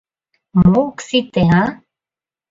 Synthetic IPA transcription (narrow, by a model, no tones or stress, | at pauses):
moksit̪ea